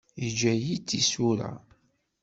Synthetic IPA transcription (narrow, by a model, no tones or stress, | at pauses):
id͡ʒæjit͡sːisuɾa̰